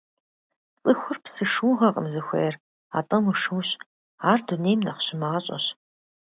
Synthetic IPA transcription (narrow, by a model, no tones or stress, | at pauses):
t͡sʼɨxʷʊrpsɨʂuːʁɐqʼə̰mzɨxʷḛjr | a̰ːtʼɐmɨʂɨwɕ | aːrdunejmnɐχɕɪmɐʁɐɕʼɐ̰ɕ